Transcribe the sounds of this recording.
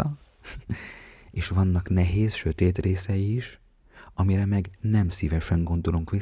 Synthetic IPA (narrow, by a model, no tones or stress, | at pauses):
ɒ | eːʃʋɒnːɒknɛɦeːsʃø̞t̪eːt̪reːsɛjiːʃ | ɒmiɾɛmɛɡnɛmsivɛʃɛŋɡo̞nd̪o̞luŋkʋi